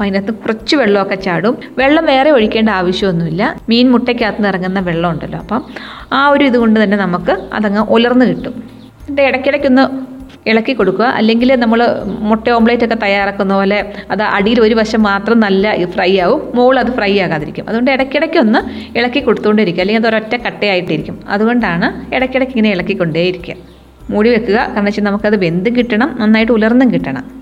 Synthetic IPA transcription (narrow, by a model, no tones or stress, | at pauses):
pɐjnɐt̪nɨkurɐt͡ɕːɨʋeɭːɐokːet͡ɕaːɽum | ʋeɭːɐmʋe̞ːreo̞ɻikʲːe̞ːɳɖaːʋɐɕjɐmonːumilːɐmiːnmuʈːekʲːaːt̪ːɐnirɐŋːunːɐʋe̞ɭːɐmuɳɖɐlːo̰ːɐpːɐmaːo̞ɾuiðuɣo̞ɳɖɨt̪ɐnːe̞nɐmukːɨɐ̰ðɐŋːɐʔolɐrnːɨkiʈːum | iɳɖeeɽɐkʲːiɽɐkʲːo̞nːɨ | iɭɐkːikːo̞ɽukːuɣɐʔɐ̰lːe̞ŋɡilnɐmːɐɭmoʈːeoːmbɭɐjtːo̞kːe̞t̪ɐjaːraːkːunːɐpoːle̞ɐðɨʔɐ̰ɽijiloɾubɐɕɐmːaːt̪rɐmnɐlːɐifrɐjaːʋumːoːɭɐðɨfrɐjaːɣaːðiɾikʲːumɐ̰ðuɣo̞ɳɖɨeɽɐkːeɽɐkʲːuo̞nːɨiɭɐkːikːo̞ɽut̪ːuɣo̞ɳɖiɾikʲːumɐleŋɡilɐðoɾotːɐkɐʈːejaːjiʈːiɾikʲːumɐ̰ðuɣo̞ɳɖaːɳɨeɽɐkʲːeɽɐkʲːiŋːɐŋneiɭɐkːikʲːo̞ɳɖejiɾikʲːuɐ̰ | muːɽiʋe̞kːuɣɐkaːrɐɳɐt͡ɕːinɐmukːɐðɨbe̞nd̪ɨŋkiʈːɐɳɐmnɐnːaːjiʈ̬ːɨulɐrnːɨŋkiʈːɐɳɐ̰m